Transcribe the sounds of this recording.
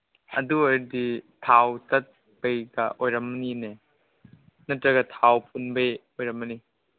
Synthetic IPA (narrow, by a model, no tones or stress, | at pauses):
ɐ̰duoɾditʰawtɐt̚ | b̥ejɡɐ̰ʔojɾɐmːɐnine | nɐtɾɐɡɐtʰawpʰunbejojɾɐmɐni